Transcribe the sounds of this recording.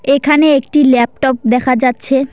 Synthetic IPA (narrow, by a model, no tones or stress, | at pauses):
ekʰaneek̚ʈilɛp̚ʈɔp̚d̪ɛkʰad͡ʑatːɕʰe